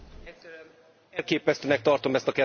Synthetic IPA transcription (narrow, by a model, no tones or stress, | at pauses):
ɛlkeːpɛst̪øːnɛk̚t̪ɒrt̪o̞mɛst̪ɒkɛ